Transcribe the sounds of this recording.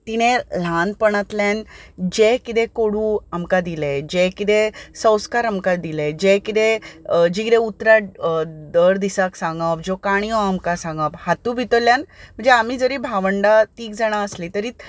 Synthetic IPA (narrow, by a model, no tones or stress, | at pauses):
t̪iɽ̃ẽl̤anpəɽ̃at̪land͡ʑekit̪ẽkoɽũːamkad̪iled͡ʑekit̪esə̃wskaɾamkad̪iled͡ʑekit̪ed͡ʑiɡɾeut̪ːɾad̪əɾd̪isaksãŋɡawd͡ʑokaɽ̃iɔamkasãŋɡaphat̪ubʱit̪ɔljãnm̤əɳd͡zeam̤iːd͡zəɾiːbʱaʋəɳɖat̪iːkd͡zaɽ̃aəslit̪əɾiːt̪